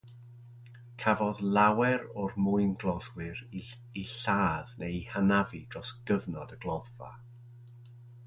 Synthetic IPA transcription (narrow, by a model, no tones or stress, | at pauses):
kʰavɔðlˠawɛɾɔrmʊɨnɡlˠɔðwɨɾ | iɬaːðnehanavid̥rɔsɡ̥əvnɔdəɡlˠɔðva̰